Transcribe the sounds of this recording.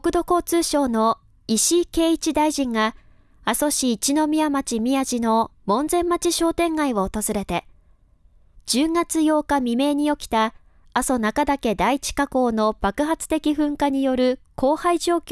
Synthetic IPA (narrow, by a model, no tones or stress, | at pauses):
okɯ̟d̪o̞ko̞ːt͡sɨːɕo̞ːno̞ | iɕike̞ːit͡ɕid̪aiʑĩŋɡa | aso̞ɕiːt͡ɕino̞mʲiamat͡ɕimʲiaʑino̞mõ̞nd͡zẽ̞mːat͡ɕiɕo̞ːt̪ẽ̞ŋɡaiβoːt̪o̞zɨɾe̞t̪e̞ | d͡ʑɨːŋat͡sɨjo̞ːkamʲime̞ːɲ̟io̞kʲi̥t̪aː | so̞nakad̪ake̞d̪ait͡ɕi̥kako̞ːno̞b̥akɯ̟ɦat͡sɨ̥t̪e̞kʲiɸɯ̟̃ŋkaɲ̟ijo̞ɾɯ̟kʰo̞ːhaiʑo̞ːkʲ